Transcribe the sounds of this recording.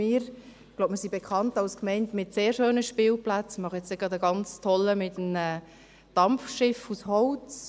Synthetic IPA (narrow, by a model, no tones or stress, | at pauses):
ɪːɾ | ɡ̥loʊpmɪɾsibekχɑntɑlskmɛɪntmɪtseːɾʃøːnəʃpɪːlplat͡smɑχəjɛt͡sɪɡɑdəɡɑnt͡stʰɔlːəmɪtəmɛː | d̥ɑmfʃɪfushɔʊt͡s